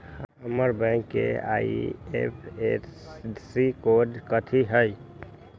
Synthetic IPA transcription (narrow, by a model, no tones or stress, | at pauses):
ɦəməɾbɛ̃ŋkːḛa̰ḭepʰe | sikoɖkət̪ʰiɦəj